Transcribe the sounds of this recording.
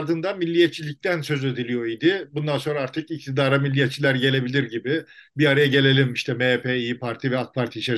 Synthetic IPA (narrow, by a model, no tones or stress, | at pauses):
ɾd̪ɯnd̪amilʲːijɛt̪̚t͡ʃʰːilʲic̚t̪ʰænsø̞zed̪ilʲijo̞id̪ɪbund̪anso̞nɾaaɾt̪ʰɯkic̚t̪ʰid̪aːɾamilʲːijɛt̪̚t͡ʃʰilʲæɾɟe̞lʲe̞bilʲiɾɟibɪbiaɾajaɟe̞lʲe̞lʲimiʃt̪ʰɛmepʰeijipʰaɾt̪ʰivɛak̪̚pʰaɾt̪ʰit͡ʃʰɛ